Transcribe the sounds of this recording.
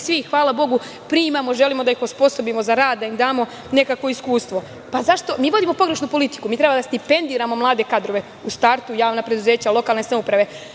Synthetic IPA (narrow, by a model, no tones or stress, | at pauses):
sʋixʋaːlˠabo̞ɡu | pɾiːmamo̞ʒe̞limod̪aixospo̞so̞bimo̞zaɾaːd̪̚d̪aimd̪aːmo̞ | ne̞kakʋo̞iskuːst̪ʋo̞ | pazaʃt̪o̞miːʋo̞d̪imo̞po̞ɡɾe̞ʃnupo̞lit̪i̥kumiːt̪ɾebad̪ast̪ipe̞nd̪iːɾamo̞mlˠaːd̪e̞kad̪ɾo̞ʋe̞ | ust̪aɾt̪ujaːʋnapɾed̪uze̞ːt͡ɕalˠo̞kaːlˠnesnaupɾaʋe̞